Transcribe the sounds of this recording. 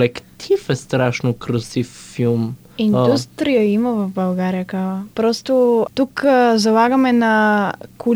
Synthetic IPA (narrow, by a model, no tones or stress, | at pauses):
lɛkt̪ʰifɛst̪ɾaʃnokɾosifːilˠm | ind̪ust̪ɾijəimɐvɐvbɐlˠɡaɾijəkavɐpɾɔst̪ot̪ukzɐlˠaɡɐmɛnɐkʰu